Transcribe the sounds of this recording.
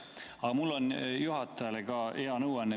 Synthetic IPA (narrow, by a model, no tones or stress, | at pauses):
ɑɡɑmulːo̞njuɦɑt̪ːˑɑjɑleɡɑʔeɑnɤwɑnːe